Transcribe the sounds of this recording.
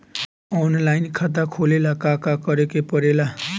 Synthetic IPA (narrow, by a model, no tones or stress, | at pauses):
ɔnlajnkʰat̪̬akʰolelakakakʌɾekepʌɾela